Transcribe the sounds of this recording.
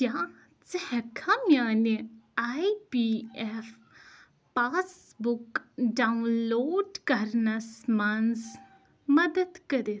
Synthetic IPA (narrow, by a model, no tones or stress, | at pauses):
kjãː | t͡səhɐkʰamjãːneaːipiɛf | paːs | bʊkɖaːunloːɖkɐɾnasmans | mɐd̪əd̪kɐɾe